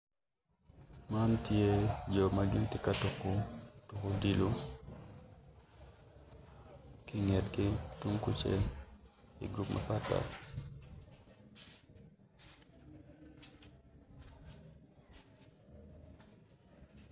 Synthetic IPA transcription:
ma˦ntɪ˦e˦d͡ʒo˨maɡɪ˦ntɪ˨ka˦tu˨ku˦tu˨ko˦di˦lu˦ | kɪ˦ŋɛ˨tkɪ˦tu˦ŋku˦t͡ʃḛ˦ | ḭ˨ɡɾupmʔa̰pat̚pa̰

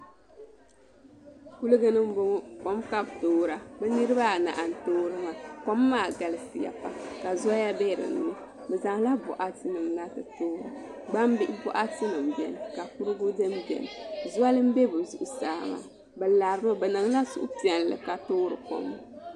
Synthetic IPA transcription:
ku˦lɨ˦ɡɨ˦nɨ˦m˦bʊ˦ŋɔ˦ko˦mka˦btoː˦ɾa˨bɨ˦nɨ˦ɾɨ˦ba˦˨na̰˨ʔa˨n˨toː˦ɾɨ˦ŋa˨ko˦mːaː˦˨ɡa˨lɨ˦fi˨ja̰˨pa˦ka˨za˦ja˦bɛ˦˨ɾɨ̰˨n˨nɨ˦ | bɛ˨za˨ŋ˦la˦bʊ̰˨ʔa˦tɨ˦nɨ˨mna˦tɨ˨toː˦ɾɨ˨ɡ͡ba˦m˦bi˦ʔɪ˦bɔ̰˦ʔa˦tɨ˦nɨ˨mbɛ̰˨n˨ka˨ku˦ɾɨ˦ɡu˦dɨ˦mbɛ̰˨n˨zʊ˦a˦lɨ˦m̩˦bɛ˦bɨ˨zu˨ʔʊ˨sa̰ː˨ma̰˨ | bɨ˨la˨ɾɨ˦mo˦bɛ˨nɨ˨ŋla˦sṵ˦ʔʊ̰˦ti˨ɛ˨n˨lɨ̰˨ka˨toː˦ɾɨ̰˨ko̰˨˦m˦

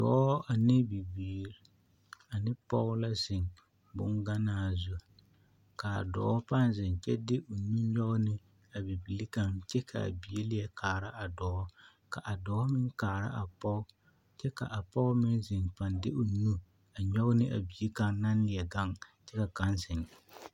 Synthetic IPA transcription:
dɔ̰ː˨˦ʔa˨nɪ˦bi˨biː˨˦˨ɾ | a˨nɪ˦pɔ̰˦ʊ˦la˦zɪ˨ŋ | bʊ̰˦ŋɡa˦naː˦zu˨ | ka˨a̰˨dɔ̰ː˨˦pa˦nzɪ˨nt͡ʃɛ˦dɪ˦ʔʊ˨nu˦ɲɔ˦ɣʊ˦nɪ˦ | a˨bi˨bi˨li˦ka˦ŋt͡ʃɛ˦kʰa̰˨a̰˨bi˨e˦lɪ˦ɛ˦kʰaː˨ɾa˦ʔa˨dɔː˨˦ | ka˨ʔa˨dɔː˨˦mɪ˦ŋkaː˨ɾa̰˦ʔa˨pɔ˦ʊ˦ | t͡ʃɛ˦ka̰˨ʔa˨pɔ˦ɣmɪ˦nzɪ˨ŋpa˨ndɪ˦ʔʊ˨nu˦ | a˨ɲɔ˦ɣʊ˦nɪ˦ʔa̰˨bi˨e˦ka˦ŋna˦nlɪ˨ɛ˨ɡa˦ŋt͡ʃɛ˦ka˨ka˦nsɪ˨ŋ

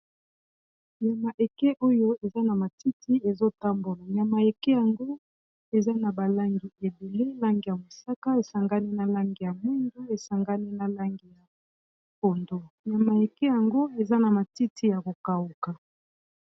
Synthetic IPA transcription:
ɲa˨ma˨ʔe˨kɛ˦ʔo˦jo˦e˨za˦na˨ma˨ti˦tʰi˦e˨zo˦ta˦mbo˨la˨ɲa˨ma˨e˨kɛ˦ja˨ŋɡo˦ | e˨za˦na˨ba˨la˦ŋɡi˨e˨be˨le˦la˦ŋɡi˨ja˨mo˨sa˦ka˦e˨sa˨ŋɡa˦ni˦na˨la˦ŋɡi˨ja˨mwi˦ndo˦e˨sa˨ŋɡa˦ni˦na˨la˦ŋɡi˨ja˨ | ko˨ndo˨ɲa˨ma˨e˨ke˦ja˨ŋɡo˦e˨za˦na˨ma˨ti˦tʰi˦ja˨ko˨ka˨wu˨ka˨

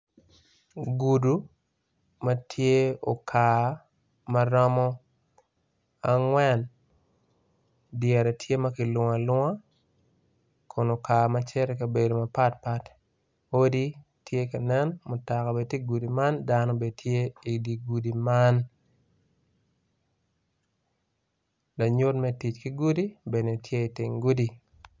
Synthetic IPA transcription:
ɡu˨du˨ | mɐ˦tʰje˦o˨kʰa˨ | mɐ˦ɾɔmɔ˦ | aŋwɛ˦n | djɛ˨ɾɛ˨tʰje˦mɐ˦kɪ˨lwɔ˨a˨lwa˦ | kʰo˨no˨ka˨mɐt͡ʃɛ˦ɾɛ˦kɐ˨be˨do˨mɐ˨pa˦tpa˦t | o˦di˦ | tʰje˦ka˨nɛ˦nmʊ˨ta˨ka˨be˨ti˦ɡu˨di˨ma˦ndanɔ˦be˨tʰje˦i˨di˨ɡu˨di˨man | la˨ɲo˦tmɛ˦ti˨t͡ʃki˦ɡu˦di˦be˨ne˨tʰje˦i˨tɪ˨ŋɡu˦di˨

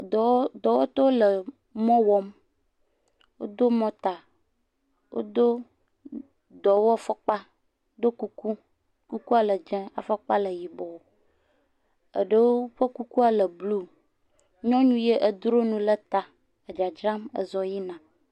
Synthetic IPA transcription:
d̪ɔ˨wɔ˦t̪ɔ˦lə˨ | mɔ̃˦wɔ˦m | wo̰˦d̪o˦mɔ̃˦t̪a˨ | wo̰˦d̪o˦ | d̪ɔ˨wɔ˦fɔ˦k͡pa˦ | d̪o˦ku˦ku˦ | ku˦ku˦a˨lə˨d͡ʒɛ̃˦a̰˨fɔ˦k͡pa˦lə˨ji˨bɔ˨wo˦ | ə̰˨ɖə˦wo˦ɸə˦ku˦ku˦a˨lə˨blu˦ | ɲɔ̃˦ɲũ˦je˦ʔə˨d̪ɾo˦nũ˦lə˦t̪a˨ | ə˨d͡ʒa˨d͡ʒɾa˦mə̰˨zɔ˨ji˦nã˨

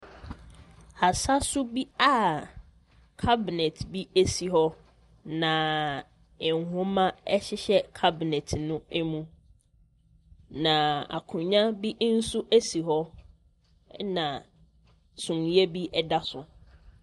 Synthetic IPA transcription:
a˨sa˦sʊ˦bi˦a˦ | kʰa˦bi˨nɛ˨tʰbi˦e˦si˨ɦɔ˦ | nã˨ | ɪ̃˨ŋ˨ɦʊ̃˦mã˦ɛ˦ɕɪ˦ɕɛ˦kʰa˦bi˨nɛ˨tʰnʊ̃˦ɛ˦mũ˦ | nã˨a̰˨kʰʊ̃˨ɲã˦bi˦n̩˦sʊ˦ʔæ˦si˨ɦɔ˦ | nã˨ | sʊ̃˨n˦e˦bi˦ɛ˦da˦sʊ˨

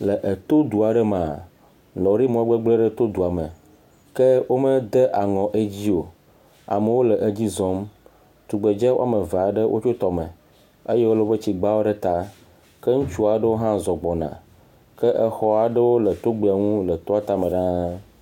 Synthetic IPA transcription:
lə˨ʔe˨t̪o˦d̪u˨a˨ɖə˦mã˨a˨ | lɔ˨ɖi˦mɔ̃˨˦ɡ͡be˦ɡ͡ble˦ɖə˦t̪o˦d̪u˨a˨mə˨ | ke˦wo˦mə˦d̪e˦ʔa˨ŋɔ̃˨ʔe˦d͡ʑi˦o˨ | a̰˨mə˨wo˦lə˨ʔe˨d͡ʑi˦zɔ˦m | t̪u˨ɡ͡be˨d͡ʒɛ˦wo̰˦a̰˦˨mə˨va˨ɖə˦wʔo̰˦t͡ʃo˦t̪ɔ˨mə̃˨ | e˦jɛ˦wo˦lo˦bə˦t͡ɕi˨ɡ͡ba˦wo˦ɖə˦t̪a˦ | ke˦ŋũ˦t͡ʃu˦a˨ɖə˦wo˦ɦã˦zɔ˨ɡ͡bɔ˨nã̰˨ | kə˦ʔɛ˨xɔ˦a˨ɖə˦wo˦lə˨t̪o˦ɡ͡be˦˨a˨ŋũ˦lə˨t̪ɔ˦a˦t̪a˦mə̃˨ɖã˦

